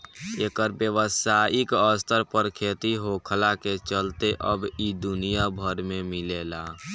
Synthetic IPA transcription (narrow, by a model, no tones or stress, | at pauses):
eːkəɾbjəʋəsaːɪkəst̪əɾpəɾkʰeːt̪iɦokʰəlaket͡ʃəlt̪eʔəbid̪ʊnijabʱəɾmẽmɪlelaː